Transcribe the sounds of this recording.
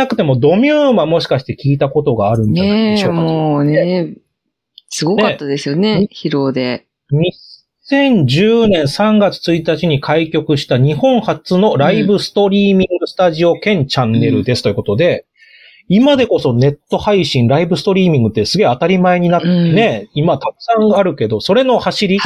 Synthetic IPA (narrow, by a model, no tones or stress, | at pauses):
akɯ̟̥t̪e̞mo̞d̪o̞mʲjɨːmamo̞ɕi̥kaɕi̥t̪e̞kʲiːt̪ako̞t̪o̞ɡaːɾɯ̟̃nd͡ʑaeaeoaoːne | sɨɡo̞neat̪ːad̪e̞sɨjo̞ne̞çiɾoːd̪e̞ | ɲ̟i | sẽ̞ɲ̟d͡ʑɨːnẽ̞ɰ̃sãŋɡat͡sɨ̥t͡sɨit̪at͡ɕiɲ̟ikʰaikʲo̞kɯ̟ɕi̥t̪aɲ̟ihõ̞ɴ̃hat͡sɨno̞ɾaibɯ̟sɨ̥t̪o̞ɾʲiːmʲĩŋɡɯ̟sɨ̥t̪aʑio̞kẽ̞ɲ̟t͡ɕãnːe̞ɾɯ̟d̪e̞sɨ̥t̪ojɯ̟ko̞t̪o̞d̪e̞ | imad̪e̞ko̞so̞ne̞t̪ːo̞haiɕĩŋɾaibɯ̟sɨ̥t̪o̞ɾʲiːmʲĩŋɡɯ̟t̪ːe̞sɨɡe̞at̪aɾʲimae̞ɲ̟inane̞imat̪akɯ̥sãŋaɾɯ̟ke̞d̪o̞so̞ɾe̞no̞haɕiɾʲi